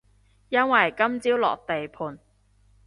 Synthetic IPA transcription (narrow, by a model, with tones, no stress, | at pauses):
jɐ˥nwɐ˨jkɐ˥mt͡siː˥wlɔ̰ː˨k̚t̪e˨jpʰuː˨˩n